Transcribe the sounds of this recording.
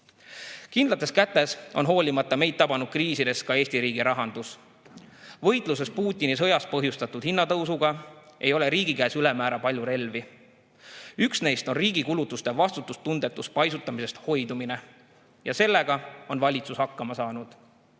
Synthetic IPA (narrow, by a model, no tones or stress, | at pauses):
kind̪lɑt̪ːˑe̞skæt̪ːˑe̞so̞̰nɦo̞ːlʲimɑt̪ːˑɑme̞jd̪̚t̪ɑbɑnud̪̥̚kriːsid̪e̞skɑe̞ːst̪iɾiːɡiɾɑɦɑnd̪us | vɤ̞jt̪ˑluse̞spuːt̪ʲːˑinisɤ̞jɑspɤɦjust̪ɑt̪ːˑud̪̥hinːɑt̪ɤwsuɡ̥ɑʔe̞jo̞le̞ɾiːɡikæːsylemæːɾɑpɑlʲjuɾe̞lvi | yksne̞jst̪o̞nriːɡikulut̪ːˑust̪e̞vɑst̪ut̪ːˑust̪und̪̥e̞t̪ːˑuspɑjsut̪ːˑɑmise̞st̪ho̞jd̪̥umine̞ | jɑse̞lːe̞ɡ̥ɑo̞nvɑlʲit̪sushɑkːɑmɑsɑːnud̪̥